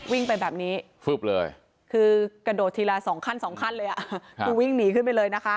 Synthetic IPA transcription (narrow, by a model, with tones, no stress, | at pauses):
wi˥˩ŋpa˧jbɛː˨˩p̚niː˦˥ | fɯ˨˩p̚lɤ̰ː˧j | kʰɯː˧ka˧doː˨˩t̪ʰːiː˧laː˧sɔː˩˦ŋkʰa˥˩nsɔː˩˦ŋkʰa˥˩nlɤː˧jʔa˨˩kʰuː˧wi˥˩ŋniː˨˩˦kʰɯ˥˩pa˧jlɤː˧jna˦˥kʰa˦˥ʔ